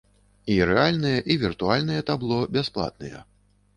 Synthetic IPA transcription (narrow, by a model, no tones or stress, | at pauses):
iɾɛalʲnɨjɐʔivʲirt̪ualʲnɨjɛt̪ablˠɔbʲasplˠa̰t̪̚nɨ̰jɛ̰